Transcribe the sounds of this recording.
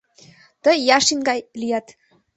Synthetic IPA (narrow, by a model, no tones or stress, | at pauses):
t̪əjɑʃinɡɑjlijɑt̪